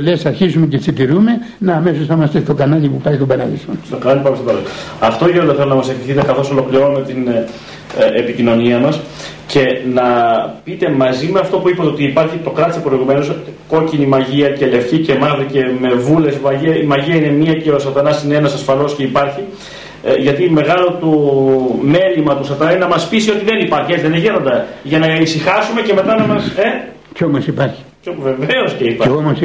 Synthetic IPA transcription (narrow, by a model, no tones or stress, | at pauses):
lesɐɾçizumecesit̪iɾume̞ | nɐːme̞sosθɐmɐst̪est̪o̞kɐnɐlipupɐit̪obɐɾɐðisost̪okɐnɐlipɐmestobɐɾɐɐft̪oeɾolθelonɐmɐsefiθit̪ekɐθo̞solo̞kliɾo̞numet̪in | epicino̞niɐmɐs | ce̞nɐpit̪e̞mɐzimeɐft̪o̞puipɐt̪eot̪iːpɐɾçit̪o̞kɾɐt̪isepɾo̞iɣume̞no̞sko̞cinimɐʝiɐce̞le̞fçice̞mɐðice̞me̞vule̞smɐiɐimɐʝiɐine̞miɐce̞osɐt̪ɐnɐsineenɐsɐsfɐlo̞sce̞ipɐɾçi | ʝɐt̪ime̞ɣɐlo̞t̪o | me̞limɐt̪usɐt̪ɐnɐnɐmɐspisio̞t̪iðe̞nipɐɾçieðeneʝeɾo̞nd̪ɐʝɐnɐisixɐsume̞ce̞me̞t̪ɐnɐmɐse̞ | cçomɐsipɐɾçi̥ | ove̞ve̞o̞sceipɐeomɐs